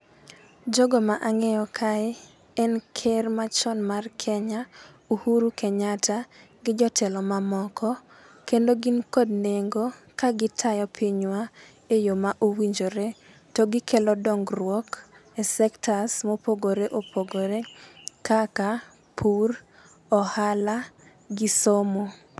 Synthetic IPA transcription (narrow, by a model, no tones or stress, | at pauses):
d͡ʒoɡomaʔaŋɛjɔkʰaɛ | ɛnkʰɛrmat͡ʃɔnmarkʰɛɲa | uhuɾukɛɲata | ɡɪd͡ʒɔtʰɛlɔmamɔkʰɔ | kendoɡinkodneŋɡokaɡɪtʰajɔpʰɪɲwa | ejomaʔowiɲd͡ʒoɾe | tɔɡɪkʰɛlɔdɔŋɡrwɔkesɛktʰasmopoɡoɾeʔopʰoɡoɾekaka | pʰur | ɔhala | ɡɪsomo